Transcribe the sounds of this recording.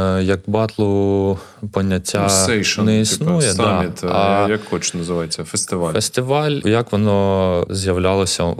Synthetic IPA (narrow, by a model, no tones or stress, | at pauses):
jɐkbɑt̪lˠɔ | pɔnʲːɐtʲːaɛʃnɛisnujɛd̪amʲit̪ɐjɐkʰːɔt͡ʃnɐzɨʋɑjet͡sʲːɐfest̪ɪʋalʲfɛst̪ɪʋɑlʲjɐkʋɔnɔzjɐʋlʲɑlˠɔsʲɐ